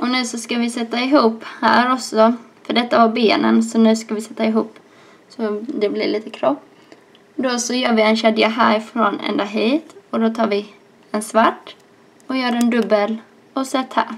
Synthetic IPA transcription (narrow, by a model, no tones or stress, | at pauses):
ʔɔnʉ̟ːsɔskavɪsɛt̪ːaɪɦuːphæ̰ːɾɔksɔfœɖɛt̪ːavaɾbeːnə̰nsɔnʉ̟ːskavɪsɛt̪ːaɪɦuːpː | sɔd̪ɛblɪ̰ɾliːt̪ə̥kʰɾɔp | d̪ɔsɔjœːɾvɪɛnɕɛd̪jaɦæːɾfɾonɛ̰nd̪ɑɦiːt̪ɔd̪ot̪ʰɑːɾvɪ | ɛnsvaʈː | ɔjœːɾɛnd̪ɵbːəl | ɔsɛt̪ːhæ̰ːɾ